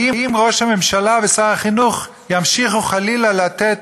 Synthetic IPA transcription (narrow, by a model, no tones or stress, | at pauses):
iimʁo̞ʃhamemʃalavesaχaχinuχ | jamʃiχuχalilalat̪et̪